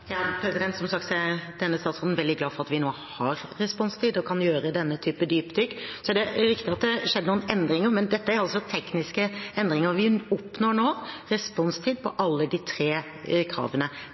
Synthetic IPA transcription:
jɑːpʰɾɛsɪd̪ɛnt̪sɔmsɑk̚t̪sɛd̪̥ɛnːəst̪ɑːt̪sʁoːd̪n̩ʋɛld̪ɪɡlɑːfɔɾɑt̪ʋɪnoː | hɑɾɾɛspɔnst̪ʰiːd̪ɔkʰɑnjøːɾəd̪ɛnːət̪ʰyːpəd̪yːpd̪ʏksɔæɖɛɾɪkt̪ɪɑt̪̚d̪ɛʂɛd̪ːənːənɛnd̪ɾɪŋəɾmɛnd̪ɛt̪ːəæɾɑlsɔt̪ʰɛknɪskəɛnd̪ɾɪŋəɾʋɪɔpnɔɳoːɾɛspɔnst̪ʰiːd̪̚pʰɔʔɑlːəd̪ɪt̪ʰɾeː | kʰɾɑ̰ːʋənə

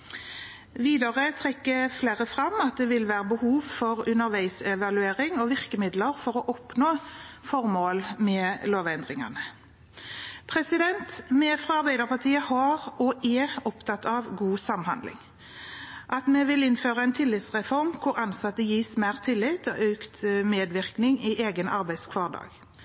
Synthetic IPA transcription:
ʋiːd̪ɑʁət̪ʰʁɛkːəfleːʁəfʁɑmɑt̪̚d̪ɛʋɪlʋæːʁəbəhuːʋfɔʁʉnəʁʋæɪsɛʋɑlʉeːʁɪŋɔʋɪʁkəmɪd̪ləʁfɔʁɔʔɔpnoːfɔʁmoːlmɛːloːʋɛnd̪ʁɪŋɑ̰nə | pʰʁɛsɪd̪ɛnt̪mɛfʁɑːɑɾbæɪd̪əʁpʰɑʁt̪ʰiːəhɑːʁɔɛɔpt̪ʰɑt̪ɑːʋɡuːsɑmhɑ̰nd̪lɪ̰ŋ | ʔɑt̪mɛʋɪlɪnføːʁəɛɪnt̪ʰɪlːɪt̪sʁɛfɔʁmkʰʊɾɑnsɑt̪ːəjiːsmæːʁt̪ʰɪlːɪt̪ɔ̰ʔøʉkt̪meːd̪ʋɪʁknɪŋɪʔeːɡənɑ̰ɾbæɪ̥skʰʋɑːʁd̪ɑ̰ːɡ̥

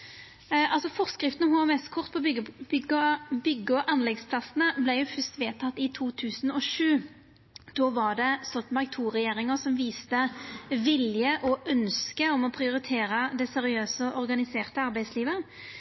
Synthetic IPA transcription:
ɑlsɔfɔʁskʁɪft̪nəhʊɑmɛst̪kʰɔʁt̪̚pʰɔbʏɡəbʏɡːɔʔɑnlɛɡspʰlɑsənəblɛɪjʊfœst̪ʋeːt̪ʰɑt̪ːɪt̪ʰuːt̪ʰʉːsənɔʂʉː | d̪̥oːʋɑʁɖɛsɔlt̪mɑɡt̪ʰuːʁɛjeːɾɪŋəsɔmʋiːst̪əʋɪljəʔɔʔœnskəɔmɔpʰʁɪʊɾɪt̪ʰeːɾəd̪ɛsɛɾɪøːsəɔʔɔʁɡɑnɪseːʁt̪əɑɾbæɪsliːʋə

